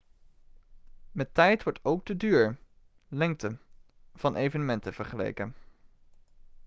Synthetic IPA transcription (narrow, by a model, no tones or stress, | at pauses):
mɛtɛjtʋɔɹtowk̚dədyːɹ | lɛŋktə | v̥ɑnʔejvənəmɛntəv̥əɹχəlḛjkən